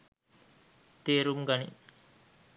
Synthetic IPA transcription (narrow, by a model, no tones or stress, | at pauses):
t̪eːɾumɡɐnḭ